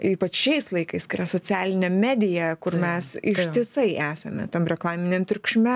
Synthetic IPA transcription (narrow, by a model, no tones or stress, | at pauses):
iːpɐt͡ʃʃɛɪslˠɐɪkɐɪskɐɪirɐsoːt͡sʲæːlʲɪnʲɛmʲæːd̪ʲɪjɛkʊrmʲɛsɪʃt̪ʲɪsɐɪʔæːsɐmʲɛ̰t̪ɐmɾʲɛklˠɑːmʲɪnʲɛmt̪ʲɾʲʊkʃʲmʲɛ